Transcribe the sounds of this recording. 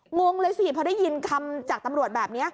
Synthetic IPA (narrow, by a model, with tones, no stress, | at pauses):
ŋo˧ŋlɤː˧jsi˨˩pʰɔ˧da˥˩jːi˧nkʰa˧mt͡ɕaː˨˩k̚t̪a˧mɾu˨˩ət̪̚bɛː˨˩p̚ni˦˥ɐʔ